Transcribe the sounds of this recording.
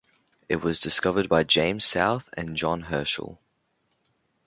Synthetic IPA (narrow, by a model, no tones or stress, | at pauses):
ɪʔwɒzdɪskʌvəd̚baɪd͡ʒẽɪ̃mz̥saʊθə̰̃nd͡ʒɒ̃nɦɜˑʃə̰lˠ